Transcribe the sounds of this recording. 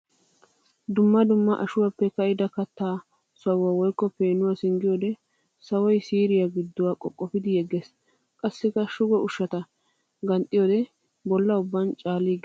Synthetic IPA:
d̪ʊmːɐd̪ʊmːɐʔɐʃʊwapːɛkɐjɪd̪ɐkɐt̪ːaː | sɐwːawɔjkːɔpeːnʊwaːsɪŋɡɪjoːd̪ɛ | sɐwɔjsiːɾɪjaɡɪd̪ːʊwaːkʼɔkʼːɔfɪd̪ɪjɛɡːes | kʼɐsːɪkːɐʃʊɡɔʊʃːɐt̪ɐ | ɡɐnt̪ʼːɪjoːd̪ɛ | bɔlːɐʊbːɐnt͡ʃʼaːliːɡ

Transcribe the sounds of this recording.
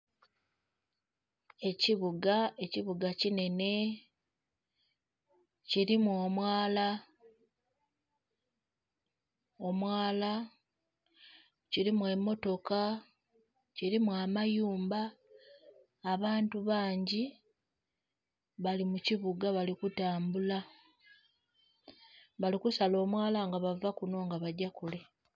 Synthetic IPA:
e̞ciβuɡae̞ciβuɡacine̞ne̞ | ciɾimwoːmwaːla | o̞mwaːla | ciɾimwe̞mːo̞to̞ka | ciɾimwamajuːmba | βaːntuβaːɲɟi | βalimuciβuɡaβalikutaːmbula | βalikusalo̞ːmwaːlaŋɡaβavakuno̞ːŋɡaβaɟakule̞

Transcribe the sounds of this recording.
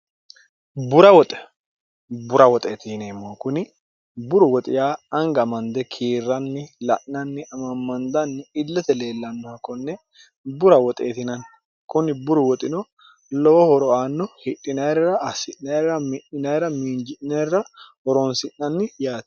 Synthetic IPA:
bʊɾɐwɔt̪ʼɛ̥ | bʊɾɐwɔt̪ʼeːt̪ɪneːmːokʊnɪ | bʊɾʊwɔt̪ʼɪjaːɐŋɡɐɐmɐnd̪ɛkʰiːrːɐnːɪlɐʔɐnːɪɐmɐmːɐnd̪ɐnːɪɪlːɐt̪ɛle̞ːlːɐnːɔhɐkːɔnːɛ | bʊɾɐwɔt̪ʼḛːt̪ɪnɐn | kʊnɪbʊɾʊwɔt̪ʼɪnɔ | lɔwɔhɔɾɔaːnːɔhɪᶑːɪnɐjɾɾɐɐsɪʔnɐɾɾɐmɪʔɪnɐjɾɐmiːnd͡ʒɪʔnɐrːɐhɔɾɔnsɪʔnɐnːɪjaːt̪

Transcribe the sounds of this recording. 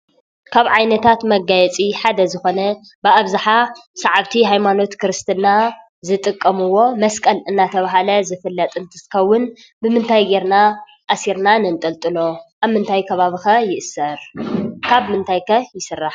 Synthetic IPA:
kʰaβʕajnɐt̪ʰat̪mɐɡajɛt͡sʼiħad̪ɐzɨxo̞nɐ | bɨʔaβzaħasɐʕaβt̪ʰiɦajmano̞t̪kʰɾɨst̪ʰɨna | zɨt̪ʼɨkʼːɐmɨwo̞mɐskʼɐlɨnːat̪ʰɐβaɦalɐzɨfɨlːɐt̪ʼɨnt̪ʰit̪ɨxɐwːʊn | bɨmɨnt̪ʰajɡeɾna | ʔasiɾnanɨnt̪ʼɐlt̪ʼɨlo̞ʔaβmɨnt̪ʰajkʰɐβaβixɐjɪʔɨsɐɾkʰaβmɨnt̪ʰajkʰɐjɪsɨrːaħ

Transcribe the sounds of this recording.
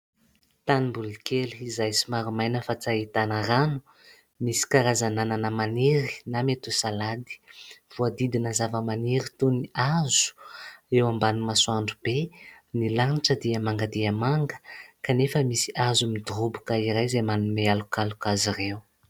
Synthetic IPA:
t̪animbulikeliizajsimaɾumajnəfat͡sait̪anəranu̥ | misi̥kaɾazanananəmaniɾi̥namet̪usalad̪i̥v̥uəd̪id̪inəzavəmaniɾit̪uniazu̥ewambanimasuaɳɖ͡ʐub̥e | nilaniʈ͡ʂəd̪iəmaŋɡəd̪iəmaŋɡə̥kanefəmisi̥ʔazumid̪urubukaiɾajzemanumealukalukazirew

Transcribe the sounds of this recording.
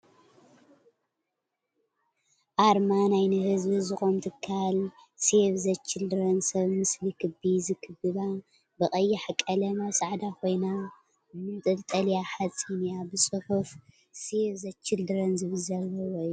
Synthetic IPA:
ʔaɾmanajnɨhɨzbizɨxʼomt̪ʰɨkʰːalseβzɐt͡ʃːɪld̪ɨɾɐnsɐβmɨslikʰɨbizɨkʰɨbɨβa | bɨɣʼɐjːɪħakʼːɐlɐmɐsaʕd̪akʰo̞jna | mɨnt̪ʼɨlt̪ʼɐljaħat͡sʼinijabɨsʼɨħuf | seβzɐt͡ʃʰːɪld̪ɨɾɐnzɨβɨlzɐlːɐwojːu

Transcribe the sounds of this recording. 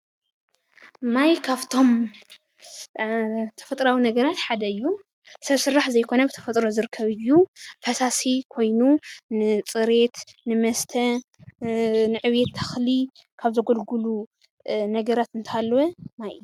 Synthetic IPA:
majkʰaβt̪ʰo̞m | t̪ʰɐ̥fɐt̪ʼɾawinɐɡɐɾat̪ħad̪ɐɨjːu | sɐβsɨrːaħzɐjkʰo̞nɐbɨt̪ʰɐ̥fɐt̪ʼɾo̞zɨɾɨkʰːɐβɨjːufɐsasikʰo̞jnunɨt͡sʼɨɾe̞t̪nɨmɐst̪ʰɐ | nɨʕɨwet̪ʰːɐxli | kʰaβzɐɡolɡulu | nɐɡɐɾat̪ɨnt̪ʰaalːwɐmaj

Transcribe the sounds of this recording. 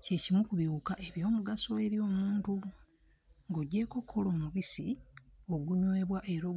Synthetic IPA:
cecimukuβjuːkaʔeβjo̞ːmuɡaso̞e̞ɾjo̞ːmuːntu | ŋɡoɟːe̞ːko̞kʰːolo̞ːmuβisio̞ɡuɲweːβwaʔe̞ɾo̞

